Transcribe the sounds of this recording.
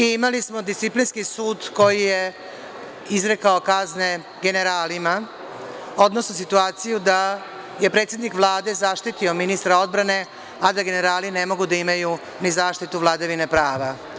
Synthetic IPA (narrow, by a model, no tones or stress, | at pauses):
iimalismo̞d̪ist̪iplinskisuːd̪ko̞jije | izɾe̞kao̞kazne̞ | ɡe̞ne̞ɾaːlima | o̞d̪nosnos̬it̪uaːt̪sijud̪a | je̞pɾe̞ːt̪sjed̪nikʋlˠaːd̪e̞zaːʃt̪it̪io̞minist̪ɾao̞d̪bɾane̞ | ad̪aɡe̞ne̞ɾaːline̞mo̞ɡud̪aimaju | nizaːʃt̪it̪uʋlˠad̪aʋinepɾaːʋa